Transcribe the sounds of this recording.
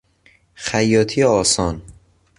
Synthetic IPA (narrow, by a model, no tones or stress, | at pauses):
xæjːɒːt̪ʰijeɒːsɒːn